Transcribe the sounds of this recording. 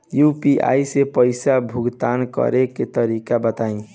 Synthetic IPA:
jupiʔa̰jsepəɪsabʱuɡt̪ankə̰ɾeket̪əɾikabət̪aĩ

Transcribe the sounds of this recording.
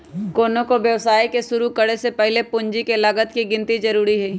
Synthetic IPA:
koːnõkoʋjɐʋsaːikesʊɾukɐɽesepɛɦlepʊ̃ɲd͡ʒikelɐɡət̪kiɡɪ̃nt̪izɐɾuːɾiɦɛː

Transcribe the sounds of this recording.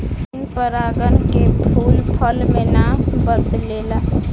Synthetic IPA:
npəɾaːɡənkebʰʱuːlpʰəlmẽnabəd̪leːlaː

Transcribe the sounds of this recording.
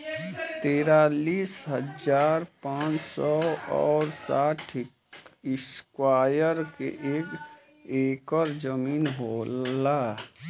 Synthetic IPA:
t̪eːɾaliːsɦəd͡ʒaːɾpãːt͡ʃsɔɔ̰ːɾsaːʈʰ | ɪskwaːjəɾkḛʔeːk | eːkəɾd͡ʒəmiːnɦoːlaː

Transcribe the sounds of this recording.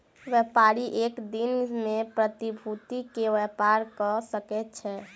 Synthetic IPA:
ʋjɛpaɾiʔeːkd̪inmẽpɾət̪ibʱut̪ikeʋɛpaɾkɔsəkɛtt͡ʃʰɛ

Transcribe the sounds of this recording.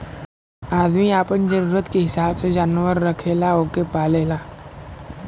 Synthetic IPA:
aːd̪miaːpənd͡ʒəɾuːɾət̪keɦɪsaːbsed͡ʒaːnʋəɾːɐkʰeːlaoːkepaːleːlaː

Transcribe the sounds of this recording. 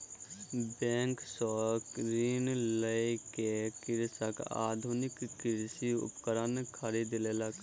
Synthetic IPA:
bɛ̃ːŋksɔkɾiːnləikekɪɾsəka̰ːd̪ʱunɪkːɪɾsiʊ̰pkəɾənkʰəɾiːd̪lelək

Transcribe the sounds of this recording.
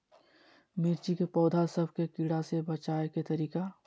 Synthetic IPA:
mɪɾt͡ʃikepɔːd̪ʱasɐbʱkekɪɽasebɐt͡ʃaːeket̪ɐɾiːka

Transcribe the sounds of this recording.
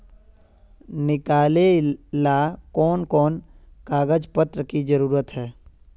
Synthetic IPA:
nɪkaːlelakɔːnkɔːnkaːɡəd͡ʒpət̪ɾəkid͡ʒəɾuːɾət̪ɦɛː

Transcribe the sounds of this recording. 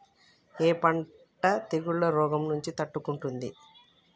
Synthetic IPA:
eːpɐɳ | ʈɐt̪eɡuɭːɐɾɔːɡɐmnuɲt͡ʃit̪ɐʈːukuɳʈund̪i

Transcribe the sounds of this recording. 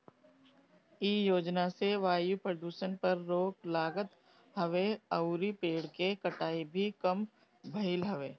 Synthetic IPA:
iːjoːd͡ʒnaseʋaːjupɾəd̪uːʃənpɐɾːoːklaːɡət̪ | hɐʋeɐʊɾipeːɽkekɐʈaːibʱikɐm | bʱɐɪlɦɐʋeː

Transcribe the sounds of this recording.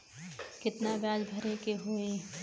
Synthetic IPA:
kɪt̪nabjaːd͡ʒbʱɐɾekeɦoːe

